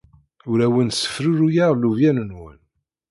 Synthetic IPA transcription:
ʊɾæwənsə̥fɾuɾujaʁluvjænənwə̰n

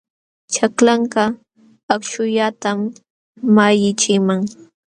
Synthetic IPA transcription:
t͡ʃaklaɴkɑ | akt͡ʃʊʎat̪amː | ajɪt͡ʃɪmaŋ

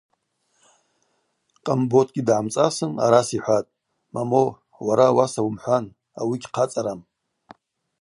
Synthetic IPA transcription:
qʼambotʰɡʲidʕamt͡sʼasɨna̰ɾasiħʷatʼ | mamo | waɾawasawumħʷan | a̰wiɡʲqʰat͡sʼaɾam

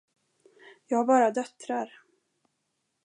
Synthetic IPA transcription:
jɑːɡhaɾbɑːɾad̪œt̪ɾaɾ

